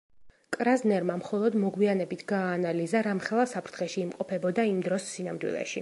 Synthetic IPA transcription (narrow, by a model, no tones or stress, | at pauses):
kʼɾaznɛɾmamχɔlˠɔd̪mɔɡwianɛbit̪ʰɡaːnalizaɾamχɛlˠasapʰɾt̪ʰχɛʃiːmqʼɔpʰɛbɔd̪aimd̪ɾɔsːinamd̪wḭlɛ̰ʃi